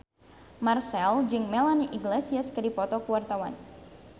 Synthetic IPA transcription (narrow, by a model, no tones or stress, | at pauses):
marsɛld͡ʒɨŋmɛlaniʔiɡlesiaskədipɔt̪ɔkuwart̪awan